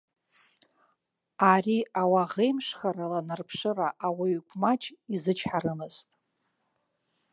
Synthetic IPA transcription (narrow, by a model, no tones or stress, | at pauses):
ariawaʁejmʂχaɾalanarpʰʂɨraʔawaɥkʷʰʼmat͡ʃʰʼizɨt͡ʃʰħaɾɨmɨztʼ